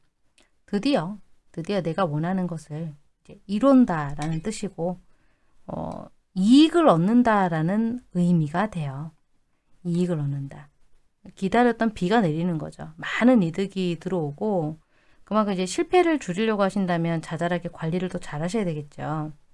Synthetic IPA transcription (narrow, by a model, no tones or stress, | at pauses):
tɯdijʌtɯdijʌne̞ɡawʌnɦanɯnɡʌsʰɯɭ | id͡ʑe̞iɾondaɾanɯnt͈ɯɕʰiɡo | ʌ̰ | iːɡɯɾʌnːɯndaɾanɯnɯjmiɡadwe̞jʌ | iːɡɯɾʌnːɯnda | kidaɾjʌt͈ʌnpiɡane̞ɾinɯnɡʌ̰d͡ʑo̰manɯnidɯɡitɯɾʌoɡo | kɯmakʰɯid͡ʑe̞ɕʰiɭpʰe̞ɾɯɭt͡ɕuɾiʎjʌɡoɦaɕʰindamjʌnt͡ɕad͡ʑaɾaɡekwaʎːiɾɯɭt͈ot͡ɕaɾɦaɕ̬ʰʌjadweɡe̞t̚t͡ɕ͈o